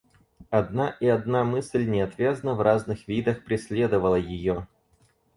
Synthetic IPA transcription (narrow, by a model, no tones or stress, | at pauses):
ɐd̪naʔɪɐd̪namɨsʲlʲnʲɪɐt̪vʲaznəvrʔaznɨxvʲid̪əxpɾʲɪsʲlʲe̞d̪əvəlˠəjɪjo